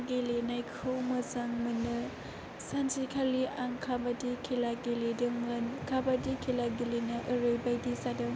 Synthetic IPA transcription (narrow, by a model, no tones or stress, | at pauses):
ɡelenajkʰɯwmɯzaŋmɯnɯ | sanzikʰaliaŋkʰabadikʰilaɡeledɯŋmɯnkʰabadikʰilaɡelenaʔɯɾɯjbajdisadɯŋ